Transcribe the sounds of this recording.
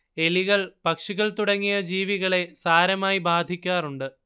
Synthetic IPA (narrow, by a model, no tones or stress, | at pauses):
e̞liɣɐɭpɐkʂiɣɐɭt̪uɽɐŋːijɐd͡ʑiːʋiɣɐɭe̞saːɾɐmaːjibaːd̪ʱikʲːaːruɳɖɨ